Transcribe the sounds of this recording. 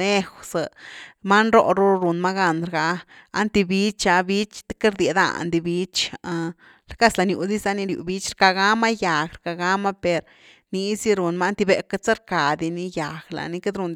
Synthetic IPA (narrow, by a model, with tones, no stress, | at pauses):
le˦xsa˨ma˦nɾo̰˧ʔɾu˦ɾu˨nma˦ɡa˧nɾɡa˧a̰˧nt̪i˧bi˦t͡ʃa˧bi˦t͡ʃt̪e̥˦ke˦ɾd̪je˨d̪a̰˧˨nd̪i˧bi˦t͡ʃa˧ | ɾka˦sla˧nju˨d̪i˦sa˧˦ni˧ɾjṵ˧bi˦t͡ʃɾka˧ɡa˦ma˦ja˨ɡɾka˨ɡa˦ma˦pe˨ɾ | ni˧si˦ɾu˨nma˦nt̪i˧be˨ka˧t͡sa˦ɾka˨d̪i˧ni˧ja˨ɡla̰˧ni˧ke˦d̪ɾu˧n